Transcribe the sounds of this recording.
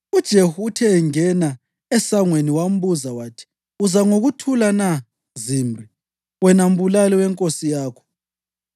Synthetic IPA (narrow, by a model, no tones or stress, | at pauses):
ud̥ʒ̥ʱehutʰɛŋɛna | ɛsaŋweniwam̩βuzawaːtʰi̥ | uzaŋoɣutʰulana | zimri | wɛnam̩bulaliwɛŋkʼosijaːkʰɔ̥